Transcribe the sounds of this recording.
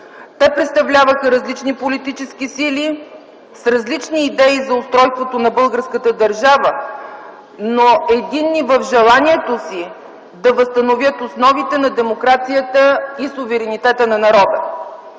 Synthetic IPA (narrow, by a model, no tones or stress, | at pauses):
t̪ɛpɾɛt̪st̪ɐvlʲavəxəɾɐzlit͡ʃnipolit̪it͡ʃɛskisili | sɾɐzlit͡ʃniːd̪ɛizɐʊst̪ɾɔjst̪vot̪onɐbɤlˠɡəɾskət̪əd̪ɐɾʒavə | noɛd̪inːivəfʒɛlˠaniɛt̪osi | d̪ɐvəst̪ɐnovʲjət̪osnɔvit̪ɛnɐd̪ɛmokɾat̪sijət̪əisʊvɛɾɛnit̪ɛt̪ənɐnɐɾɔd̪ə